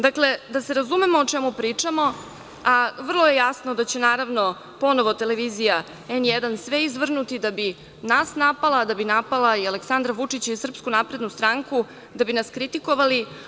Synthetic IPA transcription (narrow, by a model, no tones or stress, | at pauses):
d̪akle̞d̪ase̞ɾazume̞moːt͡ʂemupɾiːt͡ʂamo̞ | aʋr̩lˠoje̞jasnod̪at͡ɕe̞naːɾaʋno | po̞noʋo̞t̪e̞leʋizija | enjɛd̪ansʋeizʋr̩nut̪id̪abi | nasnapalˠad̪abinapalˠaialeksand̪ɾaʋut͡ʂit͡ɕaisr̩pskunapɾe̞d̪nust̪ɾaŋku | d̪abinaskɾit̪iko̞ʋali